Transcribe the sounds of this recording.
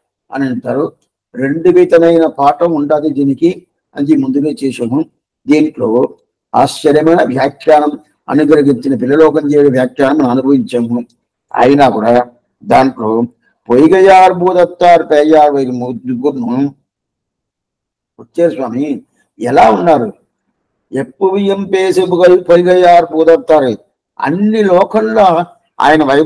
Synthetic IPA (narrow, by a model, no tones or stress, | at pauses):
ɐ̰nɐɳʈaːɾu | ɾe̞ɳɖuʋiːt̪ɐmɐjnɐpaːʈɐmuɳɖaːd̪id̪iːniki | ɐ̰nd͡ʒimund̪uleːt͡ʃɛːʃaːmu | d̪iːnʈlo̞ː | aːʃt͡ʃːɐɾjɐmɐjnɐʋjaːkːjaːnɐm | ɐ̰nuɡɐɾɐɡiɲt͡ʃinɐpilːɐlɔːkɐɲd͡ʒeːjɽɐʋjaːkjaːnɐmːɐnɐmɐnubʱɐʋiɲt͡ʃaːmu | ɐ̰jinaːkuːɽaː | d̪aːɳʈlo̞ː | pɔjɣɐjaːɾbuːðɐt̪ːaːɾpeːjaːɾʋɐjɾmud̪uɡuɾnu | ʊt͡ʃːeːɾswaːmi | ɛlːaːʊnːaːɾ | ɛpːuʋɪjɐmpeːsɐʋɯɣɐɭpɔjɣɐjaːɾbuːðɐt̪ːaːɾɯ | ɐ̰nːiloːkɐlːa | ʔa̰ːjɐnɐʋɐj